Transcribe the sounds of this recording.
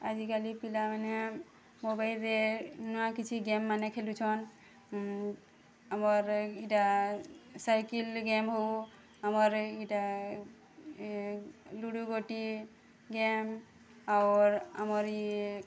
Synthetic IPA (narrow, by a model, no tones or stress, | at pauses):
azikalipilamanɛ | mobajldɛnɔakit͡ʃʰiɡɛmːanɛkʰelut͡ʃʰɔn | amɔɹita | sajkilɡɛmɦo | amɔɹita | luɽuɡoʈi | ɡɛm | awɹa̰mɔɹi